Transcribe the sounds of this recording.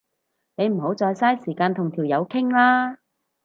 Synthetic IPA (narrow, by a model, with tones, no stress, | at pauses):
ne˨˧jm̩˨˩ho˨˥wt͡sɔː˧jsaː˥jsiː˨˩kaː˧nt̪ʰʊ˨˩ŋt̪ʰi˨˩wjɐ˨˧wkʰɪ˥ŋlaː˥